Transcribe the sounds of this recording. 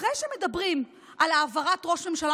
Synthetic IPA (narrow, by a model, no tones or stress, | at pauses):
ejʃeme̞dabʁim | ʔalaːvaʁatʁo̞ʃme̞mʃala